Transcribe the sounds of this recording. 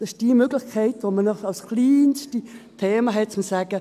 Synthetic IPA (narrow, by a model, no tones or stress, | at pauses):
d̥ɑsɪʃd̥imøɡ̥lɪxkʰɛɪtʋomənɔχɑlskliːnstitʰeːmaɦɛt̚t͡sʊmsaːɡ̥ə